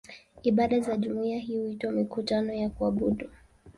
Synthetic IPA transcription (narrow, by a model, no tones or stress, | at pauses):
iɓaɗazaʄumuiaɦihuitwamikutanɔjakuaɓuɗu